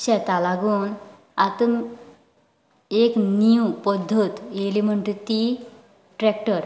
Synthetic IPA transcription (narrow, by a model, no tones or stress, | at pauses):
ɕɛt̪alaɡuːn | at̪əm | ekniupɔd̪ʱːjot̪jelim̤əɳʈut̪i | ʈɾɛk̚ʈəɾ